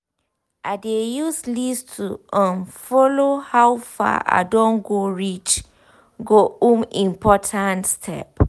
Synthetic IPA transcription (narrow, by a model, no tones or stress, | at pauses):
ʔadejuslistʰuə̃nfɔlohawfa̰ʔa̰dõnɡoɹit͡ʃ | ɡoũmĩmpʰɔtʰãntstʰɛ̰p̚